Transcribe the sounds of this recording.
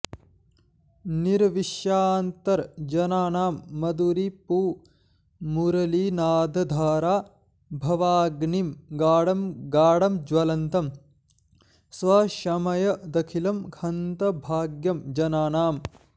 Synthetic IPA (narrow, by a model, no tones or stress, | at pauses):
niɾʋiʃjaːnt̪ɐɾd͡ʒɐnaːnaːmːɐd̪uɾipuː | muɾɐlinaːd̪ʱɐd̪ʱaːɾaː | bʱɐʋaːɡnimɡaːɽɐmɡaːɽɐmd͡ʒʋɐlɐnt̪ɐm | sʋɐʃɐmɐjɐd̪ɐkʰilɐmkʰɐnt̪ɐbʱaːɡjɐmd͡ʒɐnaːnaːm